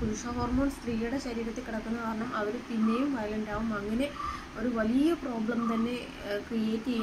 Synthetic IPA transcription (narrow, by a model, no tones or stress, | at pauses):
puɾuʂɐɦoːrmo̞ːnst̪riːjuɽeɕɐɾiːɾɐt̪ːekiɽɐk̪ːunːɐkaːɾɐɳɐmʔɐʋiɾup̪inːejumʋɐjɐlɐnɖaːʋumɐŋːɐne̞ | o̞ɾuʋɐlijɐpro̞ːbɭɐmt̪ɐnːe̞ | krieːtːie